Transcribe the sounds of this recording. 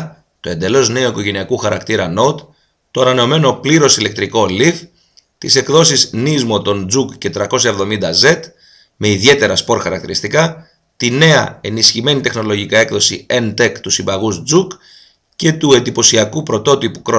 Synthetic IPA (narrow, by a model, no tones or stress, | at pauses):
t̪o̞e̞nd̪e̞lo̞zne̞o̞iko̞ʝe̞niɐkuxɐɾɐkt̪iɾɐno̞t̪ | t̪o̞ɐnɐne̞o̞me̞no̞pliɾo̞sile̞k̚t̪ɾiko̞lif | t̪ise̞kðo̞siznizmo̞t̪o̞nd͡zukce̞t̪ɾɐko̞sɐevðo̞mind̪ɐze̞t̪ | me̞iðie̞t̪e̞ɾɐspo̞ɾxɐɾɐkt̪iɾist̪ikɐ | t̪ine̞ɐe̞nisçime̞nit̪e̞xno̞lo̞ʝikɐe̞kðo̞sient̪e̞kt̪usibɐɣuzd͡zuk | ce̞t̪ue̞nd̪ipo̞siɐkupɾo̞t̪o̞t̪ipu̥kɾo